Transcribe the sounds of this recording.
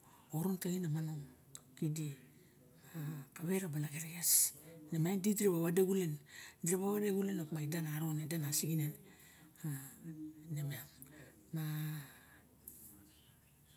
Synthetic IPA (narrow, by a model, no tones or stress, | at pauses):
oɾonteŋinamanoŋ | kidi | akaβeɾabalaɡeɾeɡesnemandidiɾebaβadeɡulendiɾeβaβadeɡulenokmaidanaɾonedanasiɡinen | a | nemaŋ | ma